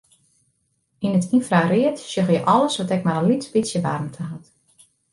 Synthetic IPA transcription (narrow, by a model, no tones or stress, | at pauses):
inətʰinfrarɪətsjøxjəʔɔləsʋɔtɛkmaɾəlitspitsjəʋa̰rmtʰəɦat